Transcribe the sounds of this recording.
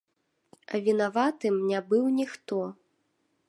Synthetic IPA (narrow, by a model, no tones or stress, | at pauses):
ɐ̰vʲinavat̪ɨmnʲabɨwnʲixt̪ɔ